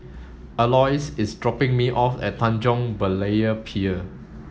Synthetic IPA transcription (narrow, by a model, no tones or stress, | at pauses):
əlɔjsɪsdɹɔpɪ̃ŋmiʔɔfɛ̰t̚tʰãnd͡ʒɔ̃ŋbəleəpʰiə